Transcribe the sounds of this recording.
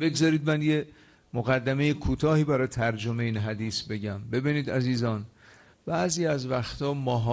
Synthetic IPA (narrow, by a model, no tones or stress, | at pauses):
be̞ɡzɒːɾiːd̪mænje | moɣæd̪ːæme̞jekʰuːt̪ʰɒːhiːbæɾɒːjet̪ʰæɾd͡ʒomeiːnɦæd̪iːsbe̞ɟæmbe̞biːniːd̪æziːzɒːn | b̥æʔziːæzvæxt̪ʰɒːmɒːɦɒ